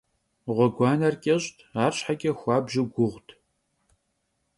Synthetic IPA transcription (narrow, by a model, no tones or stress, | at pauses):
ʁʷɔɡʷɑːnɐrkʲʼɐɕtʰaːrɕħakʲʼɐxʷɑːbʒɪɡʷʊʁʷtʰ